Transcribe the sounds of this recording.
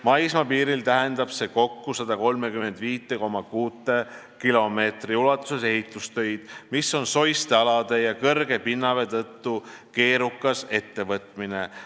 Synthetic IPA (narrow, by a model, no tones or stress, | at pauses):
mɑjsmɑpiːɾilt̪æɦe̞nd̪̥ɑb̥se̞ko̞kːusɑd̪̥ɑko̞lmekymend̪̥viːt̪ːˑe̞ko̞mɑkuːt̪ːˑe̞ | kilo̞me̞ːt̪riulɑt̪ːˑu̥sese̞ɦit̪ːˑust̪ø̞jd̪̥misːo̞nso̞jst̪eɑlɑd̪̥e̞jɑkɤrɡ̥e̞pinːɑve̞t̪ɤt̪ːuke̞ːɾukːˑɑse̞t̪ːe̞vɤt̪ˑmine